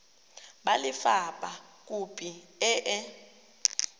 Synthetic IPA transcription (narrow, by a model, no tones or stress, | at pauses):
ɓalifapʼak̬ʼupʰʼiɛʔɛ